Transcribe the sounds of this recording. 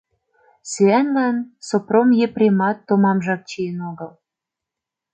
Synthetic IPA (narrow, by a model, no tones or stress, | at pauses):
syænlɑnsopromjeprʲemɑt̪ːomɑmʒɑk̚t͡ɕienoɡəl